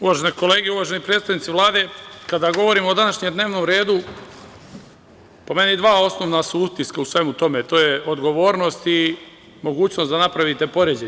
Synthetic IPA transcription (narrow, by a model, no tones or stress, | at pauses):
uʋaʒeneko̞le̞ːɡeuʋaʒe̞nipɾet̪st̪aʋnit̪iʋlˠaːd̪e̞kad̪aɡo̞ʋo̞ɾimod̪anaʃɲemd̪ne̞ːʋno̞ːmɾe̞ːd̪u | pome̞nid̪ʋaːo̞sno̞ʋnasuut̪iskausʋe̞mut̪o̞met̪o̞ːjeod̪ɡo̞ʋo̞ːɾno̞st̪i | mo̞ɡuːt͡ɕno̞sd̪anapɾaʋit̪e̞po̞ɾed͡ʑe